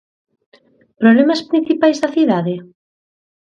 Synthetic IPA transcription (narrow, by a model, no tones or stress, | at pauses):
pɾoβlɛmɐspɾĩn̟θipajzðɐθiðaðɪ